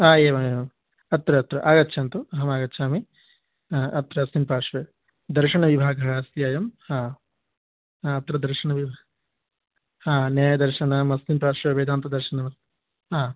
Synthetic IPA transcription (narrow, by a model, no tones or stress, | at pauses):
aːeːʋɐmeːʋɐm | ɐt̪ɾɐt̪ɾɐʔaːɡɐtːʃʰɐnt̪uɐɦɐmaːɡɐtːʃʰaːmi | ɐt̪ɾɐɐsninpaːʂʋeː | d̪ɐɾʃɐɳɐʋibʱaːɡʱɐɦːsjaːjɐmaː | ɐt̪ɾɐd̪ɐɾʃɐɳɐʋibʱa | aːnjaːjɐd̪ɐɾʃɐnɐmɐsninpaːʂʋeːʋeːd̪aːnt̪ɐd̪ɐɾʃɐnɐmɐ | aː